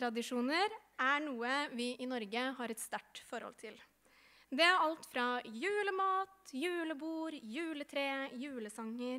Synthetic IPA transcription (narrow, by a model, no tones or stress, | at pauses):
ɾɑd̪ɪʂuːnəɾ | æɳuːəʋɪʔɪnɔɾɡəɦɑɾɛt̪st̪æʈfɔɾhɔ̰lt̪ʰɪl | d̪ɛæɾɑlt̪fɾɑjʉːləmɑːt̪jʉːləbuːɾjʉːlət̪ʰɾeːjʉːləsɑŋːəɾ